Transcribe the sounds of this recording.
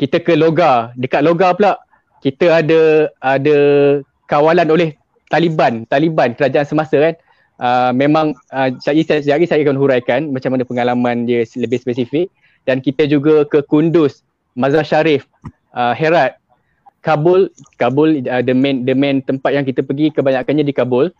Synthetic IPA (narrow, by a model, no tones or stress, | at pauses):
kit̪əkəloɡadəkat̪̚loɡapəlaʔ | kit̪əadəadə | kawalanolɛh | t̪alibant̪alibankəɾad͡ʒaʔansəmasəkan | ʔəmẽmãŋəsajisasaɡisajkanɦuɾajkanmat͡ʃamanəpəŋalamãndiələbɪhspəsifɪk̚ | dankit̪əd͡ʒuɡəkəkundʊs | mãzaʃaɾɪf | ʔəɦeɾat̪̚ | kabʊlkabʊlədəmɛ̃ndəmɛ̃nt̪əmpat̪̚jaŋkit̪əpəɡikəbaɲakanɲadikabʊl